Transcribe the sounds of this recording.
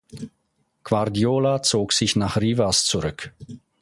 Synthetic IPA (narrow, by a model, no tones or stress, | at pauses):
kv̥aʁdiolat͡soːksɪçnaχriːvast͡suʁʏk